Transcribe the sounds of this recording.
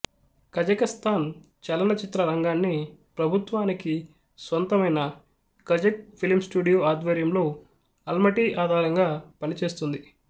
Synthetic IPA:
kɐd͡ʒɐkɐst̪ʰaːn | t͡ʃɐlɐnɐt͡ʃit̪ɾɐɾɐŋɡaːnːipɾɐbʱut̪ʋaːniki | sʋɐnt̪ɐmɐjnɐ | kɐd͡ʒɐk̚pʰilimsʈuːɖijoːaːd̪ʋɐɾjɐmlo̞ː | ɐlmɐʈiːʔaːd̪ʱaːɾɐŋɡaːpɐnit͡ʃe̞ːs̬t̪und̪i

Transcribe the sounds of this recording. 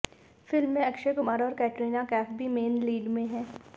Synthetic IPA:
fɪlmːẽɐkʃekʊmaːɾɔːɾkɛːʈɾiːnakɛːpbʱimeːnliːɖmẽɦɛ̃ː

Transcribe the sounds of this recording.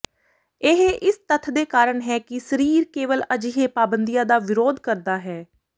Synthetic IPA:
eɦeʔɪst̪ət̪ʰd̪eːkaːɾəɳɦɛːkɪsəɾiːɾkeːʋələd͡ʒiɦeːpaːbənd̪ijãːd̪aːʋɪɾoːd̪kəɾd̪aːɦɛː

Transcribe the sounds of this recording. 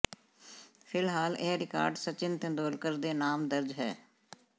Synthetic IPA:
pʰɪlɦaːleːɾɪka̰ːɾɖsət͡ʃɪnt̪ɪ̃nd̪oːlkəɾd̪eːnaːmd̪əɾd͡ʒɦɛ̰ː

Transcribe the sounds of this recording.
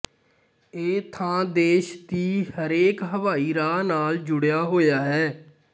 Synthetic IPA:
eːt̪ʰãːd̪eːʃt̪iːhəɾeːkɦəʋaːiːɾaːnaːld͡ʒʊɽjaːɦoːjaːɦɛː

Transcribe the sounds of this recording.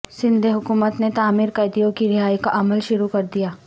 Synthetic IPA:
sɪ̃nd̪ʱeɦʊkuːmət̪net̪aːmiːɾkɐjd̪ijõkiɾɪɦaːjikaʔɐməlʃʊɾukɐɾd̪ijaː

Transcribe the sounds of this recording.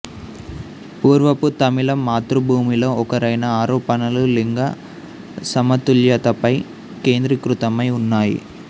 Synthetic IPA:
puːɾʋɐpːut̪ɐmɪlɐmːaːt̪ɾubʱuːmiloːɔkɐɾɐjnɐaːɾoːpɐnɐluliŋɡɐ | sɐmɐt̪uljɐt̪ɐpɐj | keːnd̪ɾɐkɾɯt̪ɐmɐjʊnːaːjḭ

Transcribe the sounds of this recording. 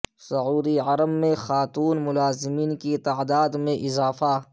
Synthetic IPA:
sʊʕuːd̪iʕɐɾəmːẽxaːt̪uːnmʊlaːzɪmiːnkit̪aːd̪aːd̪mẽʔɪzaːfa

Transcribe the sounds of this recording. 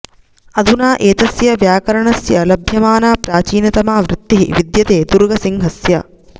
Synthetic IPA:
ɐd̪ʱunaːʔeːt̪ɐsjɐʋjaːkɐɾɐɳɐsjɐlɐbʱjɐmaːnaːpɾaːt͡ʃiːnɐt̪ɐmaːʋɾɪt̪ːiɦḭʋid̪jɐt̪eːd̪uɾɡɐsiŋɦɐsjɐ̰

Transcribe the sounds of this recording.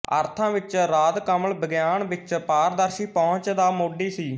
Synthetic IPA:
ə̰ɾt̪ʰãːʋɪt͡ʃɾaːd̪kəməlbəɡjaːnʋɪt͡ʃpaːɾd̪əɾʃiːpɔ̃ːʊt͡ʃd̪aːmoːɖiːsiː

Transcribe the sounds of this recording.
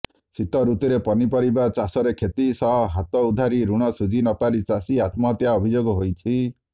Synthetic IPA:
sit̪ɔɾut̪iɾepɔnipɔɾibat͡ʃasɔɾekʰet̪isɔɦɔɦat̪ɔud̪ʱaɾiɾuɽ̃ɔsud͡ʒʱinɔpalit͡ʃasiat̪mɔt̪jaɔbʱid͡ʒoɡɔɦojt͡ʃʰi

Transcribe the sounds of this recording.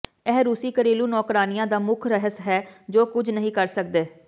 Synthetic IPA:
ɛːɾuːsiːkəɾeːluːnɔːkɾaːnɪjãːd̪aːmʊkʰɾəɦəsɦɛːd͡ʒoːkʊd͡ʒʱnəɦĩːkəɾsəkd̪eː

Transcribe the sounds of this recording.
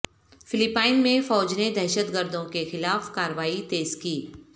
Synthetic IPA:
fɪlɪpaːɪnmẽfɔːd͡ʒned̪ɛːʃət̪ɡəɾd̪õkexɪlaːfkaːɾəʋaːit̪eːzkiː

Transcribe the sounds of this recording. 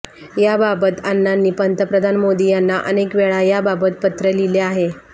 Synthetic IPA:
jababət̪anːanːiːpənt̪əpɾəd̪ʱanmod̪iːjanːaʔənekʋeɭajababət̪̚pət̪ɾəlileaɦe

